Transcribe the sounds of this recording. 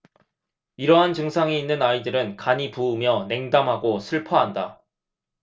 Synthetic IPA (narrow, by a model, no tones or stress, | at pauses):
iɾʌɦant͡ɕɯŋsʰaŋiinːɯnaidɯɾɯnkaɲipuːmjʌne̞ŋdamɦaɡosʰɯɭpʰʌɦanda